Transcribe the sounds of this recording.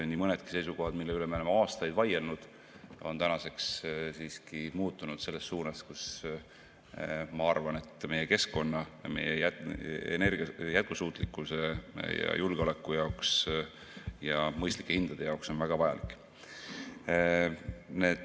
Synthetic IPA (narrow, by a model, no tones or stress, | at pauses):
onʲːimɤne̞d̪̥ki̥se̞jsuko̞ɦɑd̪̥milːeolemeolemeɑːst̪ɑjd̪vɑjelnud̪̥ | o̞̰nt̪ænɑse̞kssiːskimuːt̪ːˑunud̪̥se̞lːe̞stːuːnɑskus | mɑɑrvɑne̞t̪ːˑme̞jeke̞sko̞nːɑjme̞̰jeæḛne̞rɡjæt̪̚kusuːt̪ˑlikːˑuse̞jɑ̰julɡ̥eo̞le̞kːˑujɑoks | jɑmɤjst̪li̥kːe̞hind̪̥ɑd̪̥e̞jɑokso̞nvæɡ̥ɑvɑjɑ̰likːˑ | ne̞d̪